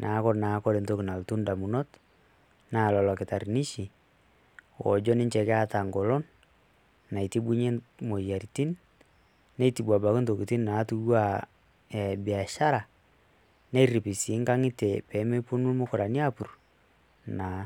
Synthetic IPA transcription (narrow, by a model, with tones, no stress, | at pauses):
nʔaː˨˦kɔ˦ɾnaː˨˦kɔ˦ɾe˨nto˦ki˨na˨ltu˦nda˨mu˨nɔ˦t | na˦˨lɔ˨lɔ˨kɪ˨ta˨ɾni˦ʃi˨ | wɔ̰˨d͡ʒɔ˦nɪ˦ɲt͡ʃɛ˨kɪ˦a˦ta˨ŋɡɔ˨lɔ˦nː | a˨i˨ti˦bu˦ɲe˦mo˨ja˨ɾiti˦nː | e˦iti˨bwa˨ba˨kɪ˦nto˨ki˨ti˦nna˨˦tu˦jwa˦ | ɛ˨bi˨a˨ʃa˦ɾa˨ | ne˦ɾi˨pɪ˨si˨˦ŋka˦ŋɪ˦te˨pɛ˨˦me˦pu˦nu˦lmo˦kɔ˨ɾa˨ni˦a˦pu˨r | na˨